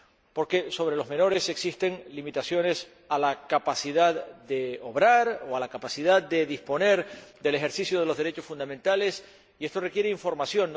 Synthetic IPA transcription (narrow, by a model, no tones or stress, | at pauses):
po̞ɾke̞so̞β̞ɾe̞lo̞zmẽ̞no̞ɾe̞se̞ksist̪e̞ŋlimit̪asjo̞ne̞s | alakapasiðaðd̪e̞oβɾaɾoalakapasiðað̚d̪e̞ðispo̞ne̞ɾd̪e̞lexe̞ɾsisjo̞ð̞elo̞zðeɾe̞t͡ʃo̞sfund̪amẽnt̪ale̞s | ie̞st̪o̞re̞kjeɾeiɱfo̞ɾmasjo̞nː